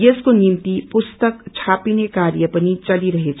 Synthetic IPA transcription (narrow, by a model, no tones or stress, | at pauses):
eskonimt̪ipʊst̪əkt͡ʃʰapinekaɾjəpənit͡ʃəliɾəɦet͡ʃʰ